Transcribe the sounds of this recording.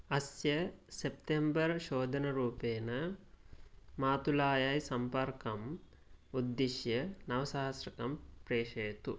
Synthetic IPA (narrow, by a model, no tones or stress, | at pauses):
ɐsjɐsep̚t̪embɐɾʃoːd̪ʱɐnɐɾuːpeːnɐ | maːt̪ulaːjɐjsɐmpɐɾkɐm | ud̪ːiʃjɐnɐʋɐsaːɦɐsɾɐkɐmpɾeːʂɐjt̪u